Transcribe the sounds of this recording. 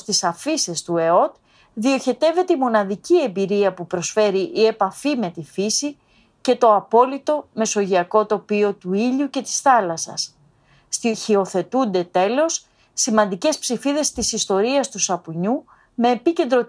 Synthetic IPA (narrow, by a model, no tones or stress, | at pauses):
t̪isɐfisest̪ue̞o̞t̪ | ðio̞çe̞t̪e̞ve̞t̪eimo̞nɐðicie̞mbiɾiɐpupɾo̞sfe̞ɾiʔie̞pɐfime̞t̪ifisi | ce̞t̪o̞ɐpo̞lit̪o̞me̞so̞ʝiɐko̞t̪o̞pio̞t̪uiʎuce̞t̪i̥sθɐlɐsɐ̰s | st̪içio̞θe̞t̪und̪e̞t̪e̞lo̞sː | imɐnd̪ice̞spsifiðe̞st̪isist̪o̞ɾiɐst̪usɐpuɲu | me̞ːpice̞nd̪ɾo̞